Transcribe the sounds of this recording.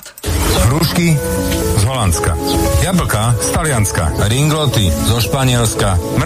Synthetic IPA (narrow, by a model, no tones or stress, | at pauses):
ɦɾuʃki | zɦɔlant̪t͡ska̰d̪jabl̩kast̪alɪanska̰ɾiŋɡlɔt̪izɔʃpaɲɪɛlskam